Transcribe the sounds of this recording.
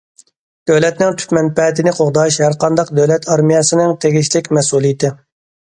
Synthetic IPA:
d̪̥øwlɛt̪nɪŋt̪ʰy̥t̪mɛnpɛt̪ɪnɪqʰoʁd̪ɑʃhæɾqɑnd̪ɑqd̪øwlɛt̪ʰɑɾmijɛsɪnɪŋt̪ʰeɡʲiʃlɪkʲmɛsulˠijɪt̪ʰɪ

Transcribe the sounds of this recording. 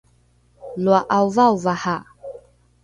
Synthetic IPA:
lwaʔauvauvaha

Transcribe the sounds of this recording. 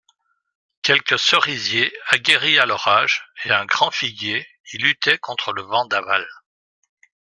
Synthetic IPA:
kʲɛlkəsəʁizjeaɡʲeʁialɔʁaʒeɛ̃ɡʁɑ̃fiɡje | ilyt̪ɛkɔ̃t̪χələvɑ̃d̪aval

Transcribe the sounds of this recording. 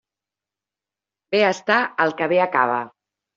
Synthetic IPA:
beəst̪aəlˠkəβeəkaβ̞ə

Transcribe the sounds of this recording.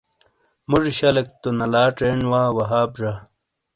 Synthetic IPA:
muʐɕɐlɐk̚t̪onɐlaːʈeːɳwaːwɐɦaːbʐa

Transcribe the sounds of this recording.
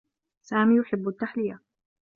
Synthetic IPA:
saːmiːjʊħɪbːʊt̪ːaħlɪja

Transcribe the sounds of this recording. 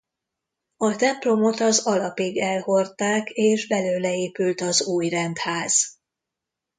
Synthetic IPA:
ɒt̪ɛmplo̞mo̞t̪ɒzɒlɒpiɡɛlho̞rt̪aːkeːʒbɛløːlɛeːpylt̪ɒzuːjrɛnt̪haːz̥

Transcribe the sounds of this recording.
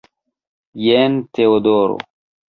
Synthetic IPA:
jent̪eod̪oːɾo̰

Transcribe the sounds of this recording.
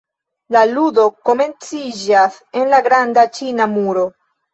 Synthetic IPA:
laludo̞ko̞me̞nt͡sid͡ʒas | e̞nlaɡɾandat͡ʃinamuɾo̞

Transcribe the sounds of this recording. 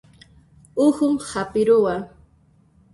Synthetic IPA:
ʊhʊmhapɪɾʊwa

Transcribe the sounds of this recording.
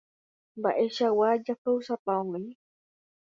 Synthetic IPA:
mba̰ʔeʃawad͡ʒapewsapaõŋĩ

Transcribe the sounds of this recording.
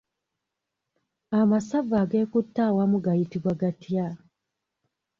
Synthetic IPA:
amasavaɡe̞ːkutːawamuɡajitiβwaɡatja

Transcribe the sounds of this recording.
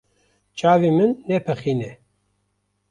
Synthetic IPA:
t͡ʃʰʼaːviːmɨnːeːpʰɐχiːne

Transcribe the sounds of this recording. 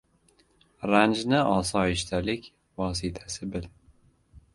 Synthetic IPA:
ɾand͡ʒnɪɒsɒɪʃt̪ʰalɪkʲ | vɒːs̬ɪt̪ʰasɪbɪl

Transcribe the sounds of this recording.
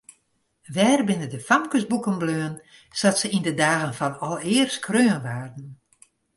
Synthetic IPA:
ʋɛːrbɪnədəfamkəsbukənbløːən | satsəindədaːɣənfɔnɔlˠɪərskʰrøːənʋaːrdn̩

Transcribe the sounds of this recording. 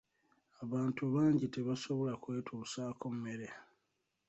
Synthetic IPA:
aβaːntuβaːɲɟite̞βaso̞βo̞lakwe̞ːtʰuːsaːko̞m̩me̞ɾe

